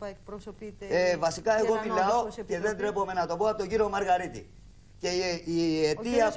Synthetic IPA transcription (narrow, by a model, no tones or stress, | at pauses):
evɐsikɐe̞ɣo̞milɐo̞ce̞ðe̞nd̪ɾe̞po̞me̞nɐt̪o̞poɐpot̪oɟiɾio̞mɐɾɣɐɾit̪ḭ | ce̞iiet̪iɐ